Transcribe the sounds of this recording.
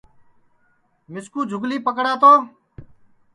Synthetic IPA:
mɪskuːd͡ʒʱʊɡliːpəkɽaːt̪oː

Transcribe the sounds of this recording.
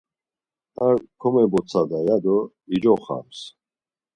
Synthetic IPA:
akʰɔmɛbɔt͡sʰad̪ajad̪ɔ | id͡ʒɔχa̰ms

